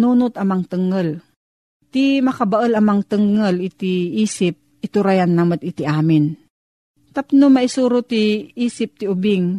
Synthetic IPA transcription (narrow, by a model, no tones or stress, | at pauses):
nuːnʊt̪ɐmaŋt̪ɨŋəl | t̪imɐkabaʔəlɐmɐŋt̪ɨŋːəlɪt̪iʔiːsɪp̚ʔɪt̪ʊɾajanːamot̪ɪt̪iʔaːmɪn | t̪apnʊmɐʔɪsuːɾot̪iiːsɪp̚t̪ɪʊbɪŋ